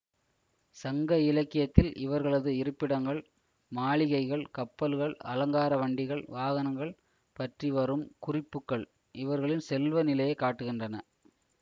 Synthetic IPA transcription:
sɐŋɡɐɪlɐkːɪjɐt̪ːɪlɪʋɐɾɣɐɭɐðɯɪɾɯpːɪɽɐŋɡɐɭ | maːɭɪɣɐɪɣɐɭkɐpːɐlɯɣɐɭɐlɐŋɡaːɾɐʋɐɳɖɪɣɐɭʋaːɣɐnɐŋɡɐɭ | pɐʈriʋɐɾɯmkʊrɪpːɯkːɐɭ | ʔɪʋɐɾɣɐɭɪnsɛlʋɐnɪlɐjɐkːaːʈːɯɣɪndrɐnɐ

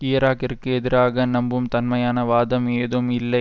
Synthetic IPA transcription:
ijɐɾaːkɪrkɯɛðɪɾaːɣɐnɐmbɯmt̪ɐnmɐjaːnɐʋaːðɐmeːðɯmɪlːɐɪ

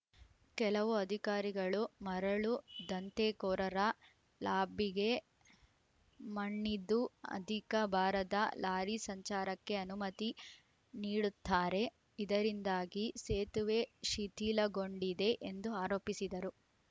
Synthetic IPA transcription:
kɛlɐʋuɐd̪ʱikaːɾiɡɐɭumɐɾɐɭud̪ɐnt̪eːkɔːɾɐɾɐ | laːbʱiɡe̞ | mɐɳːid̪ːuɐ̰d̪ʱikɐbʱaːɾɐd̪ɐlaːɾisɐɲt͡ʃaːɾɐkːe̞ɐnumɐt̪i | niːɽut̪ːaːɾe̞ | id̪ɐɾind̪aːɡiseːt̪uʋe̞ʃit̪iːlɐɡo̞ɳɖid̪e̞ʔend̪uaːɾoːpisid̪ɐɾu

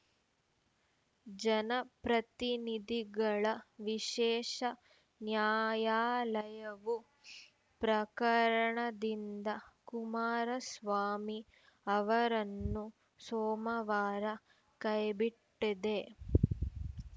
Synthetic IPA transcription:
d͡ʒɐnɐpɾɐt̪inid̪iɡɐɭɐʋiʃɛːʃɐ | njaːjaːlɐjɐʋu | pɾɐkɐɾɐɳɐd̪ind̪ɐkumaːɾɐsʋaːmi | ɐʋɐɾɐnːu | sɔːmɐʋaːɾɐ | kɐjbiʈːid̪e

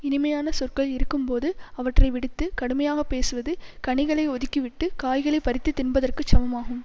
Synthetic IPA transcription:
ɪnɪmɐjaːnɐsɔrkɐɭɪɾɯkːɯmpoːðɯɐʋɐʈrɐɪʋɪɽɯt̪ːɯkɐɽɯmɐjaːɣɐpːeːsɯʋɐðɯkɐɳɪɣɐɭɐɪɔðɪkːiʋɪʈːɯkaːjɣɐɭɐɪpɐɾɪt̪ːɯt̪ːɪnbɐðɐrkɯt͡ʃːɐmɐmaːɣɯm

